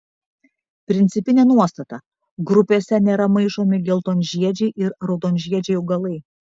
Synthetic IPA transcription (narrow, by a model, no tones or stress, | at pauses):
pʲɾʲɪnt̪sʲɪpʲɪnʲeːnuɔst̪ɐt̪ɐ | ɡɾʊpʲeːsʲɛnʲeːɾɐmɐɪʒoːmʲɪɡʲɛlˠt̪oːnʲʒʲiɛd͡ʒʲɛɪʔɪɾɾɐʊd̪oːnʲʒʲiɛd͡ʒʲɛɪʊɡɐlˠɐɪ